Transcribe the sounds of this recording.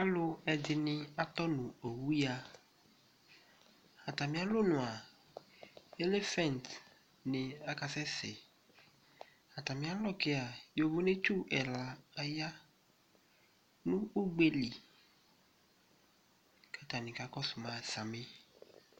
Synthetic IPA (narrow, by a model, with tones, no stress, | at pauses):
a˦lʊ˦ɛ˨dɪ˨nɪ̃˦a˨t̪ɔ˦nũ˨o˨wu˦ja˦ | a˨t̪a˨mĩ˦a˦lo˦nʊ̃˨a˨ | e˦le˦fɛ̃˦˨nt | nɪ̃˨a˨ka˨sɛ˦sɛ˨ | a˨t̪a˨mĩ˨˦a˦lɔ˦ke˦a˨jo˨vo˦ne˦t͡ʃu˦ʔɛ˨la˨a˨ja˦ | nũ˦u˦ɡ͡be˦li˨ | kɛ˦t̪a˨nɪ̃˨ka˦kɔ˦sʊ˨mã˨sa˨me˦